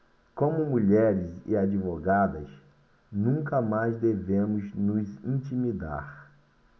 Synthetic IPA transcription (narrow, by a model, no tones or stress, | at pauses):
kõmʊmuʎɛɾɪzɪ̰ad͡ʒivoɡad̪ɐs | nũŋkɐmajzd̪evẽmʊznʊzĩt͡ʃimid̪a̰ɾ